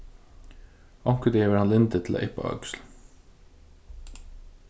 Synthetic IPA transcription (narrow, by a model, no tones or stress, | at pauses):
ɔŋkəd̪eʋəhanlɪnt̪ət̪ʰɪla̰ːʔɪhpa̰œ̰ksl̩